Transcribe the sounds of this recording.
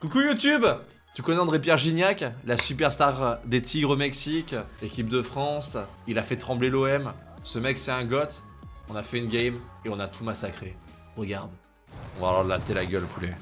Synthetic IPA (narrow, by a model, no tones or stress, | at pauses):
kukujut̪yb | t̪ykɔnɛɑ̃d̪ʁep̬jɛʁʒinjaklasypɛʁst̪aʁd̪et̪ʰiɡʁomɛksikekʲip̚d̪əfχɑ̃s | ilafɛt̪χɑ̃bleloɛm | səmɛksɛɛ̃ɡɔt̪ | ɔ̃nafɛynɡʲɛjmeɔ̃nat̪ʰumasakχe | ʁəɡaʁd̪ | ɔ̃valat̪elaɡʲœlpʰule